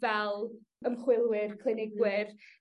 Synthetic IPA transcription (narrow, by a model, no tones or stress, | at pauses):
vɛlˠ | əmχwɪlˠwɪrkʰlˠɪnɪɡwɪr